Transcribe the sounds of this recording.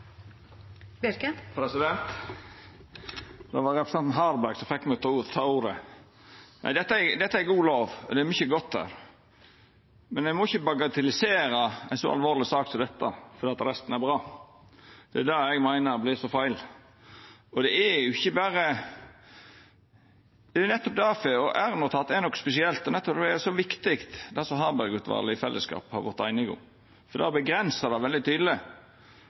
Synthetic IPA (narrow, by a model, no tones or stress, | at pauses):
bɪɾkəpʰɾɛsɪd̪ɛnt̪ | d̪ɑʋɑɾɛpɾɛsɛnt̪n̩ɦɑɾbæɾɡsɔmfɛkmæɪɡt̪ʰːɑuːɾt̪ʰɑːuːɾə̰ | næ̰ɪd̪ɛt̪ːæd̪ɛt̪ːæɾɛɡuːloːʋɔ̰d̪ɛæɾmʏçəɡɔt̪ːæ̰ːɾ | mɛnɛɪmɔɪçːəbɑɡɑt̪ʰɪlɪseːɾəæɪnsɔ̰ɑ̰lʋoːɾlɪsɑːkt̪ɪd̪ɛt̪ːɑfɔɾd̪eːɑt̪ɾɛst̪n̩æɾbɾɑː | d̪̥ɛæd̪ɑɛɡmæɪnəɾblɪːsɔfæɪl | ɔd̪ɛæjʊɪçːəbæːɾə | d̪ɛænɛt̪ːɔp̚d̪ɑfɛɔʔæɾnɔt̪ʰɑt̪ːænɔkːspɛsɪɛlt̪ːɔnɛt̪ːɔp̪ɛɛsɔʋɪkt̪ɪkt̪d̪ɛsɔɦɑːbæɾɡʉt̪ʰʋɑ̰ːɾlɪɪfɛlːəskɑ̰ːphɑ̰ɾʋɔɾt̪ːæɪnəɡʊ̰ | fɔɾd̪ɛːbəɡɾɛnsɑd̪ɑʋɛld̪ɪt̪ʰyːd̪l̩ɪ